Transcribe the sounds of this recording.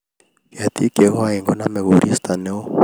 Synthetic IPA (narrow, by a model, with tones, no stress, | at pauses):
ka˨t̪ʼi˦kʼe˨ɣɔ˦ae˨ŋɡɔ˦na˦mɛ˨βo˨ɾi˦st̪a˨nɛ˦ʊ˦